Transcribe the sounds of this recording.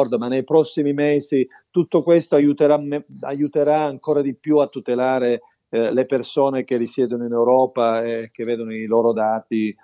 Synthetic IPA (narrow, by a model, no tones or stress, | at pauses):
ɔrd̪omanːejpɾɔsːimimeːzi | t̪ut̪ːokwest̪oajut̪eɾameajut̪eɾaːŋkoːɾad̪ipjuat̪ːut̪elaːɾe | lepersoːnek̟erːisjɛːd̪onoinewɾɔːpaeːk̟ːevːeːd̪onoiloːɾod̪aːt̪i